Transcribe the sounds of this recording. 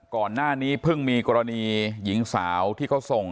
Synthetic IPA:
kɔː˨˩nːaː˥˩niː˦˥pʰɯ˥˩ŋmiː˧kɔː˧ɾa˧niː˧ji˩˦ŋsaː˩˦wt̪ʰiː˥˩kʰa˦˥wso˨˩ŋ

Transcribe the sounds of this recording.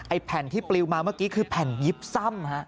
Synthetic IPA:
ʔa˧jpʰɛ˨˩˦nt̪ʰiː˥˩pli˧wmaː˧maː˥˩kiː˦˥kʰɯː˧pʰɛ˨˩nji˦˥p̚sa˥˩mha˦˥ʔ

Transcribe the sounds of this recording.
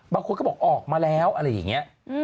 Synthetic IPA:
ɓaː˧kʰo˧kɔː˦˥˩ɔː˨˩ʔɔː˨˩k̚maː˧lɛ˨˦˥wʔaː˧laː˧˩ja̰˨˩˦ŋi˨˦˥ | ʔ

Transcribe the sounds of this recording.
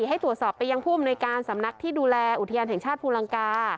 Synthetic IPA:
ɦa˥˩jt̪ɾu˨˩ət̪̚sɔː˨˩pːa˧ja˧ŋpʰuː˥˩˨a˧mnu˧jjkaː˧nsa˩˦mna˦˥k̚t̪ʰiː˥˩duː˧lɛː˧ʔu˨˩t̪ʰa˧jaː˧nɦɛ˩˦ŋt͡ɕʰaː˥˩t̪̚pʰuː˧la˧ŋkaː˧

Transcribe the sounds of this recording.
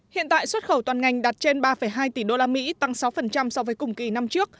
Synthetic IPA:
hḭ˧˨ənt̪a̰ː˧˨jswə˦˥t̚xə˧˩wt̪waː˨˩nŋa˨˩jŋ̟ɗa˨˩t̚t͡ɕe˧nɓaː˧fə˧˩jɦaː˧jt̪i˧˩ɗo˧laː˧mḭ˧˥t̪a˧ŋsa˨˦wfə˨˩nt͡ɕa˧msɔ˧wvəː˨˦jkʊ˧˩ŋ͡mki˧˩na˧mt͡ɕɨ˦˥ək̚

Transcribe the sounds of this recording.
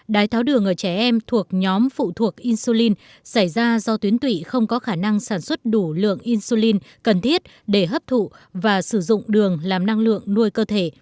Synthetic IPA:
ɗaː˨˦jt̪ʰaː˨˦wɗɨ˨˩əŋʔəː˧˩t͡ɕɛ˧˩ʔɛ˧mt̪ʰu˨˩ək̚ɲɔ˨˦mfṵ˧˨t̪ʰu˨˩ək̚ʔi˧nsu˧li˧n | sa˧˩jzaː˧zɔ˧t̪wi˨˦ənt̪wḭ˧˨xə˧wŋ͡mkɔ˨˦xaː˧˩na˧ŋsaː˧˩nswə˦˥t̚ɗu˧˩lɨ̰˧˨əŋʔi˧nsu˧li˧nkə˨˩nt̪ʰi˦˥ət̚ | ɗe˧˩ɦəː˦˥p̚t̪ʰṵ˧˨vaː˨˩sɨ˧˩zʊ̰˧˨ŋ͡mɗɨ˨˩əŋlaː˨˩mna˧ŋlɨ̰˧˨əŋnu˧əjkəː˧t̪ʰe˧˩

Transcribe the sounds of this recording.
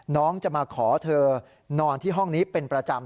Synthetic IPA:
nɔː˦˥ŋt͡ɕa˨˩maː˧kʰɔː˩˦t̪ʰɤː˧ | nɔː˧nt̪ʰiː˥˩ɦɔ˥˩ŋniː˦˥pe˧npɾa˧t͡ɕa˧m

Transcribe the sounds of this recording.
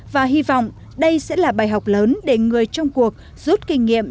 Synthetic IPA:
vaː˨˩ɦi˧vɔ̰˧˨wŋ͡m | ɗə˧jsɛ̰˧˥laː˨˩ɓaː˨˩jɦa˨˩wk͡p̚ləː˨˦nɗe˧˩ŋɨ˨˩əjt͡ɕɔ˧wŋ͡mku˨˩ək̚ | z̥u˦˥t̚kï˧ŋ̟ŋḭ˧˨əm

